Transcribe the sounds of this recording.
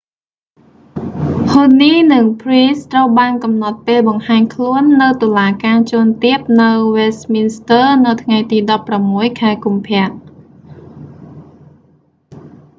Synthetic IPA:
hoːniːnɨŋpʰriːst̪rəwɓaːnkɑmnɑt̪̚peːlɓɑŋhaːɲkʰluənːɨwt̪ŏəlaːkaːt͡ɕʊənt̪iəp̚nɨwʋest̪minst̪əːnɨwt̪ʰŋajt̪iːɗɑpːramːuəjkʰaɛkumpʰɛ̆əʔ

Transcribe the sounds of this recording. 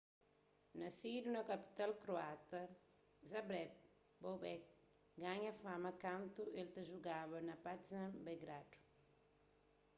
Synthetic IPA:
nɐsidunɐkapi̥t̪alkɾoat̪ɐ | zabɾɛb̚ | bowbɛk̚ | ɡaɲɐfamɐkãnt̪uelt̪ɐʒuɡaβɐnɐpat̪zãmbɛɡɾad̪u̥

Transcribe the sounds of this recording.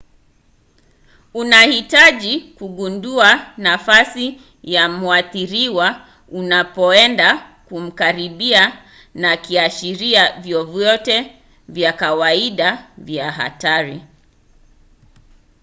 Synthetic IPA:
unahitaʄikuɠunduanafasi | jamuaθiɾiwa | unapɔɛndakum̩kaɾiɓia | nakiaʃiɾiavjɔvjɔtɛ | vjakawaiɗavjaɦa̰taɾi

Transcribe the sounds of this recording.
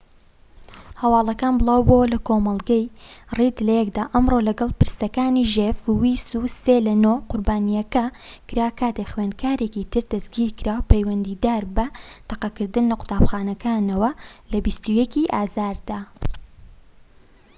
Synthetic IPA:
hɐwɑːlˠɐkaːnbɨlˠaːwbowɐlɐkomɐlˠɡɐjrid̪lɐjɛkd̪aːʔɐmrolɐɡɐlˠpɨɾsɐkaːniːʒefuwisuːseːlɐnoqʊɾbaːnijɐkɐkɨɾaːkʰaːt̪exweːnd̪̚kʰaːɾeːkiːt̪ʰɨɾd̪ɐsɡiːɾkɨɾaːwpʰejwɐnd̪iːd̪aːɾbɐt̪ɐqɐkɨɾd̪ɨnlɐqʊ̥t̪aːbxaːnɐkaːnɐwɐlɐbist̪ujɛkiːʔaːzaːɾd̪aː

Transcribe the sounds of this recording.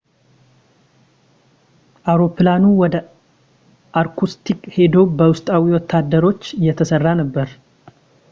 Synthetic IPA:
ʔawɾo̞planuwɔd̪ə | ʔaɾkʰust̪ʰikʼhe̞d̪o̞bəwʊst̪ʼawiwɔt̪ʰːad̪ːəɾo̞t͡ʃːɪjːɛt̪ʰəsərːanəbːəɾ

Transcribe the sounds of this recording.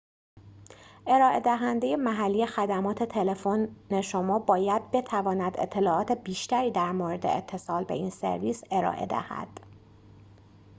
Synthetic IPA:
ʔe̞ɾɒːʔe̞d̪æɦænd̪e̞je̞mæɦælːije̞xæd̪æmɒːt̪ʰe̞t̪ʰe̞le̞fonne̞ʃomɒːbɒːjæd̪̚be̞t̪ʰævɒːnæd̪e̞̰t̪ʰːe̞lɒːɒːt̪ʰe̞biːʃt̪æɾiːd̪æɾmoːɾe̞d̪e̞̰et̪ʰːe̞sɒːlbe̞̰inse̞̰ɾviːse̞ɾɒ̰ːʔe̞̰d̪æ̰hæ̰d̪̥

